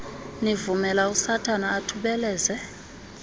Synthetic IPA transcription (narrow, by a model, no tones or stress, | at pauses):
nivumɛlausatʰʼanaːtʰuɓɛlɛːzɛ